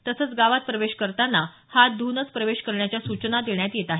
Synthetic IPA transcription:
t̪əsət͡sɡaʋat̪̚pɾəʋeɕkəɾt̪anːa | had̪unət͡spɾəʋeɕkəɾɳjat͡ɕjasut͡ɕnad̪eɳjat̪jet̪aɦe

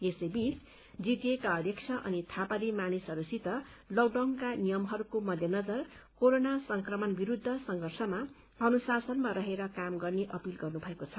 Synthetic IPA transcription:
esʌjbit͡s | d͡zit̪jekaʌd̪jʌkt͡sʰʌʔʌ̰nit̪ʰapalimanisɦʌɾusit̪ʌlʌɡɖʌŋkanijʌmɦʌɾukomʌd̪ʱjʌnʌd͡zʌrkoɾonasʌŋkrʌmʌnbiɾud̪ʱːʌsʌŋɡʱʌrsʌma | ʌnusasʌnmaɾʌɦeɾʌkamɡʌrneʔʌpilɡʌrnubʱʌekot͡sʰʌ

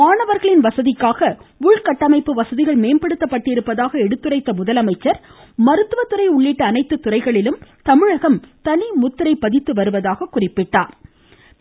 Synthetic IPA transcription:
aːɳɐʋɐɾɣɐɭɪnʋɐsɐðɪkːaːɣɐʊɻkɐʈːɐmɐɪpːɯʋɐsɐðɪɣɐɭmeːnpɐɽɯt̪ːɐpːɐʈːɪɾɯpːɐðaːɣɐɛɽɯt̪ːɯrɐɪt̪ːɐmʊðɐlɐmɐɪt͡ʃːɐɾ | mɐɾɯt̪ːɯʋɐt̪ːɯrɐɪʊɭːiʈːɯːnɐɪt̪ːɯt̪ːʊrɐɪɣɐɭɪlɯmt̪ɐmɪɻɐɣɐmt̪ɐnimʊt̪ːɪɾɐɪpːɐðɪt̪ːɯʋɐɾɯʋɐðaːɣɐkʊrɪpːɪʈːaːɾ

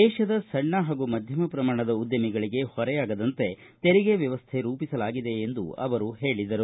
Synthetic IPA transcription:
d̪ɛːʃɐd̪ɐsɐɳːɐɦaːɡumɐd̪ʱjɐmɐpɾɐmaːɳɐd̪ɐud̪jɐmiɡɐɭiɡe̞hɔɾɛjaːɡɐd̪ɐnt̪e̞ | t̪eɾiɡeʋjɐʋɐst̪ʰeɾuːpisɐlaːɡid̪e̞ːnd̪ṵɐ̰ʋɐɾuɦe̞ːɭid̪ɐɾu

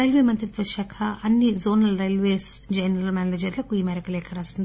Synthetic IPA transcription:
ɐjlʋemɐnt̪ɾit̪ʋɐʃɐkʰɐʔɐnːizoːnɐlɾɐjlʋeːsd͡ʒɐjnɐɾɐlmaːnled͡ʒɐɾlɐkuiːmɛːɾɐkɐlɛːkʰɐɾaːsind̪i

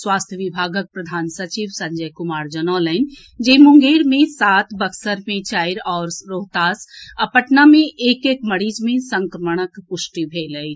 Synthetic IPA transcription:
swaːst̪ʰjəʋibʱaːɡək̚pɾəd̪ʱaːnsət͡ʃiːʋsɐ̃ɲd͡ʒəjkʊmaːɾd͡ʒənɔːlən | d͡ʒeɦmʊ̃ŋɡeːɾmẽsaːt̪ʰbəksəɾmẽt͡ʃaːjɾɔːɾɾoːɦt̪aːsɐpəʈnamẽʔeːkeːkməɾiːd͡ʒmẽsə̃ŋkɾəməɽ̃əkpʊʃʈibʱeːləi

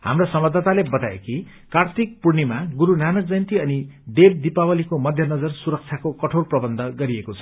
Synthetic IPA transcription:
ha̰mrosʌmbʌd̪ʱːat̪alebʌt̪aḛki | kart̪ik̚purnimaɡuɾunanʌk̚d͡zʌjnt̪iʌniɖeb̚d̪ipawʌlikomʌd̪ʱjʌnʌd͡zʌrsuɾʌk̚t͡sʰjakokʌʈʰorprʌbʌnd̪ʱʌɡʌɾiekot͡sʰʌ̥

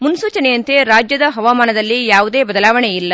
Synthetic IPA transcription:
munsuːt͡ʃɐnejɐnt̪e̞ɾaːd͡ʒjɐd̪ɐɦɐʋaːmaːnɐd̪ɐlːijaːʋud̪eːbɐd̪ɐlaːʋɐɳeilːɐ

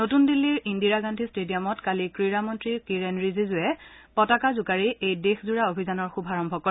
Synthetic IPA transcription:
notundilːiɹindiɹaɡantʰistedijamɔtkalikɹiɹamɔntɹikiɹenɹizizʊɛ | pɔtakazʊkaɹiejdexzuɹaobʱizanɔɹxubʱaɹɔmbʱɔkɔɛ

